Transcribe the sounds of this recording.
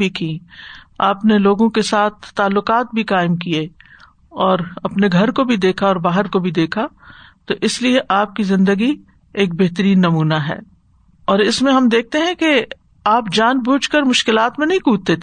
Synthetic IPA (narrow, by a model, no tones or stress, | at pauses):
bʱikĩːaːpneloːɡõkesaːt̪̚ʰːaːlːʊqaːt̪̚bʱikaːɪmk̬ie | ɔːɾɐpneɡʱɐɾkobʱid̪eːkʰaɔːɾbaːɦəɾkobʱid̪eːkʰat̪oʔɪslieʔaːp̚kizɪ̃nd̪əɡi | eːk̚beɦt̪əɾiːnːɐmuːnaɦɛ̰ː | ɔːɾɪsmẽɦɐmd̪eːk̚t̪eɦɛ̃ke | aːpd͡ʒaːnbʱuːt͡ʃkəɾmʊʃkɪlaːt̪mẽnɐɦĩkuːt̪̚t̪et̪